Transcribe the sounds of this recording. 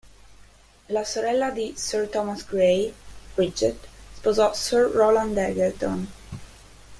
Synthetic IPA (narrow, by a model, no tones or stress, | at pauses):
lasoɾɛlːad̪isɛɹt̪ɔmasɡɾejbɾid͡ʒɛt̪si̥pozɔsɛɹːɔlãnd̪ɛɡɛlt̪ɔn